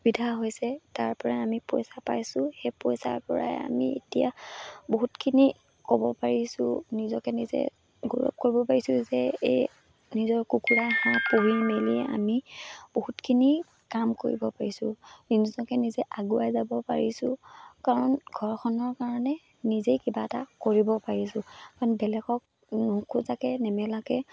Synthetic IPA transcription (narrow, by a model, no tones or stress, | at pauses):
bidʱaɦojsɛtaɹpɔɹaamipɔjsapajsʊ̃xepɔjsa̰ɹpɔɹa̰ja̰miḛtijaboɦutkʰini | kɔbɔpaɹisʊ̃nizɔkɛnizɛ̰ | ɡo̰ɹɔ̰p̚koɹibɔpaɹisʊzɛej | nizɔɹkukuɹaxãpoɦimeliɛa̰mib̥ohutkʰini | kamko̰ɹḭbɔpaɹisʊ̃ninizɔkɛnizɛʔaɡuajzabɔpa̰ɹisʊ̃kaɹɔnɡʱɔɹxʰɔnɔɹkaɹɔnɛ | nizejkibatakoɹibɔpaɹisʊ̃kanbɛlɛkɔk̚ | nɔkʰuzakɛnɛmɛlakɛ